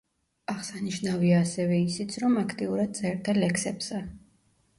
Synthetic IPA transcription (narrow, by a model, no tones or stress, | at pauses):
aʁsaniʃnaviaːsɛvɛisit̪sʰɾɔmakʰt̪ʼiuɾad̪̚d̪sʼɛɾt̪ʰalɛksɛpsa